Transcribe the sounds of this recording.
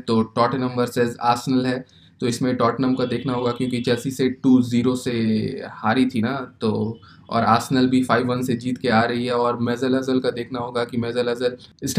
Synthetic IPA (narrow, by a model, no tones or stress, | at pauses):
t̪oːʈɔːʈnɐ̃mbəɾsɛːza̰ːɾsənəlɦɛ | t̪oɪsmẽʈɔːʈnɐ̃mkad̪eːkʰnaɦoːɡakjõːkit͡ʃɛːsiseʈuːziːɾosehaːɾit̪ʰinat̪oː | ɔ̰ːɾaːɾsənəlbʱifaːɪʋʋɐnsed͡ʒiːt̪keaːɾɐɦiɦɛɔːɾmɛːzəlɐzəlkad̪eːkʰnaɦoːɡakimɛːzəlɐzəlɪsʈ